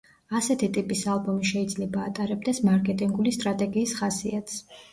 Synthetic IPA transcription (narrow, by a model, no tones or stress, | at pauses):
asɛt̪ʰit̪ʼipʼisalˠbɔmiʃɛid̪zlɛbaːt̪ʼaɾɛb̚d̪ɛsmaɾkʼɛt̪ʼiŋɡulist̪ʼɾat̪ʼɛɡiːsχasiat̪ʰs